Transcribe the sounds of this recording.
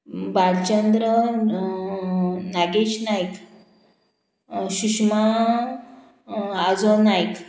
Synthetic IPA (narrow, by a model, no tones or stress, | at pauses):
baɽt͡ɕənd̪ɾə | naɡeɕnajk | ɕuɕma | ad͡zonajk